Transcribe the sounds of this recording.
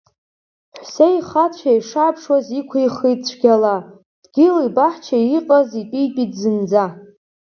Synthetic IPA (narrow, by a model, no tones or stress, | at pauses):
ħʷsejχat͡ɕʷʰajʂaːpʰʂwazikʷʰajχijt͡ɕʷʰɡʲala | d̥ɡʲɪlibaħt͡ʃʰaiqʼazitʼijtʼidzɨnd͡za